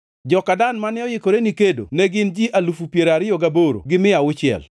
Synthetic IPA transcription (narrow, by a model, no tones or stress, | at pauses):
d͡ʒɔkadanmanɪɔjɪkoɾenikedo̰nɛɡɪnd͡ʒiʔalufupjeɾaɾɪjoɡaboɾo̰ɡɪmɪawʊt͡ʃɪɛ̰l